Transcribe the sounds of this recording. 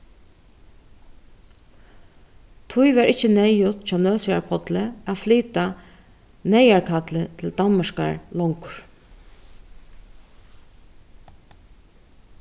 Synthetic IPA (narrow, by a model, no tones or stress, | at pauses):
t̪ʰʊjʋaɾɪht͡ʃːənɛjʊt̪t͡ʃʰɔːnœːlsaɹpʰɔt̪ləæfliːt̪a | nɛjaɹkʰat̪lɪt̪ʰɪld̪anmaʂka̰ɹlɔŋkʊ̥ɹ